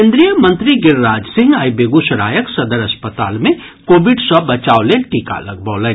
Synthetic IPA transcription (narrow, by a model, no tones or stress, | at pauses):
ẽːnd̪ɾijəmə̃nt̪ɾiɡɪɾːaːd͡ʒsɪ̃ŋɡajbeɡusəɾa̰ːjəksɐd̪əɾəspət̪a̰ːlmẽ | koːbiɖsəbət͡ʃaːoleʈika̰lə̰ɡbəːlə